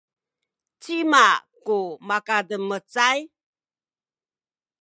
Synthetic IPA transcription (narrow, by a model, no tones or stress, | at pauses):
t͡simakumakadəmət͡saj